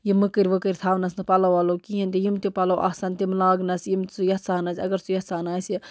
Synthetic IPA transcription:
jimɨkɨɾʲʋəkəɾʲt̪ʰaːʋnɐsnɨpɐlɐwalokijɐnt̪ijimt̪ʲupɐlɐwʔa̰saːnt̪imlaːɡnɐsjimt͡sujɐsaːnɐsʲɐɡɐɾt͡sujɐsaːnaːsi

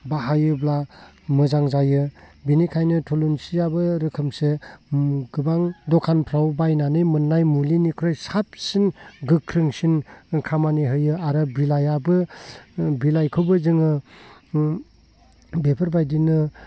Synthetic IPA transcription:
baɦajɯbla | mɯzaŋzajɯbinikʰajnɯtʰolunsijabɯɾɯkʰɯmse | ɡɯbaŋdɔkʰanpʰɾawbajnanɯjmɯnːajmulinikʰɾojsap̚sinɡɯkʰɾɯŋsinkʰamaniɦɯjɯaɾɯbilajabɯ | bilajkʰɯwbɯzɯŋɯ | bepʰɯɾbajdinɯ

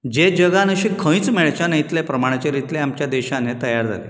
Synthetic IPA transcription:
d͡ʑed͡ʑəɡanəɕikʰə̃j̃t͡smeɭt͡ɕanəjit̪lepɾəmaɽ̃at͡ɕeɾit̪leamt͡ɕjad̪eɕãnet̪əjaɾd͡zʱa̰lḛ

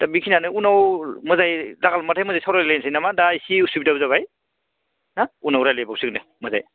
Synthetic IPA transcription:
tabikʰinanɯunawmɯzajlaɡalmatʰajmɔzajsawɾalejnsʰajnamadaisiusubitabzaβaj | naunawɾajlebawsik̚nɯmɐza̰j

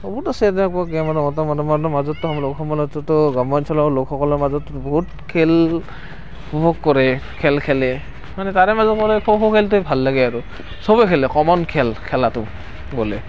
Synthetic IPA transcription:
ɔbutasɛatɛakɔakamanɔmɔtɔmanɔmanɔmazɔtːɔɦamlokxɔmɔlɔtːɔtɔɡamɔnsʰɔlalokxɔkɔlɔɹmazɔtːɔbɔɦut̚ | kʰɛl | kʰubɔkːɔɹɛkʰɛlkʰɛlɛ | manɛtaɹɛmazɔt̚kɔɾɛkʰɔxɔkʰɛltʊbʱalːaɡɛaɹu | sɔbɔkʰɛlɛkɔmɔnkʰɛlkʰɛlatʊ | ɡolɛ

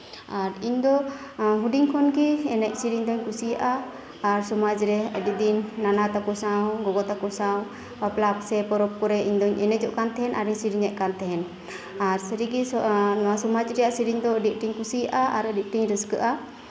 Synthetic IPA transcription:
aɾiɲd̪ɔɦuɖiɲkʰɔnɡiɛnɛc̚siɾiɲd̪ɔɲkusijaʔaː | ɾsɔmad͡ʒɾɛə̰ɖid̪inːanat̪akuɾsawɡɔɡɔt̪akuɾsaw | aplapsɛpɔɾɔp̚kɔɾɛiɲd̪ɔɲɛnɛd͡ʒɔʔkant̪ɛɦɛnʔaɾiɲsiɾiɲɛʔ̚ˀkant̪ɛɦɛn | aɾsɾiɡinɔwasɔmad͡ʒɾɛjaʔsiɾiɲd̪ɔɖik̚ʈiɲkusijaʔaʔaɾɖik̚ʈiɲɾəskəʔa

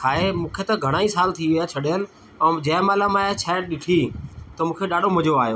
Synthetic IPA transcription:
kʰaːɦemũːkʰet̪ɐɡʱɐɽ̃aːisaːlt̪ʰiʋijat͡ɕʰɐɗjənɪ̆ | ɛ̃ːd͡ʑɐːɪmaːlamaːet͡ɕʰaːɪɗɪʈʰit̪ɐmũːkʰeɗaːɗʱom̃d͡ʑoaːɦjoː

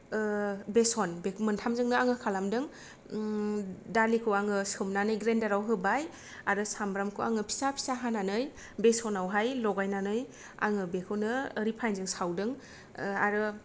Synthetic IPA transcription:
besɔnbemɯntʰamzɯŋnɯaŋɯkʰalamdɯŋ | dalikʰɯwaŋɯsɯmnanɯjɡɾendaɾawɦɯbaj | aɾɯsambɾamkʰɯaŋɯpʰi̥sapʰi̥saɦananɯj | besɔnawɦajlɔɡajnanɯj | a̰ŋɯbekʰɯwnɯːɾipʰajnzɯŋsawdɯŋ | aɾɯ

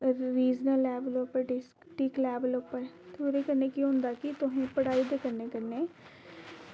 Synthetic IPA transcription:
ɾiːd͡ʒnəlːɛːbəlopəɾɖɪs | ʈiklɛːbəlʊpəɾ | t̪ʰoːɾeːkəɾneːkjõɦʊ̃nd̪aːkɪt̪ʊɦẽpəɽaːiːd̪eːkəɾneːkəɾneː

